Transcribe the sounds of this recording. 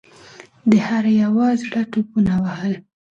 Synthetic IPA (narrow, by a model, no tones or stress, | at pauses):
d̪əhaɾajawɑzɽaʈopunawahəl